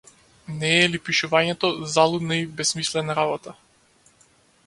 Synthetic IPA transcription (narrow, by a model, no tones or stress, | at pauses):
nɛːlipiʃuvaɲɛt̪ɔzalˠud̪naibɛsmislɛnaɾabɔt̪a